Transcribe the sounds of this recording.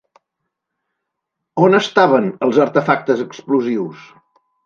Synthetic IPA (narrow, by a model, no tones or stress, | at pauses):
onəst̪aβənəlˠzəɾt̪əfak̚t̪əzəkspluziws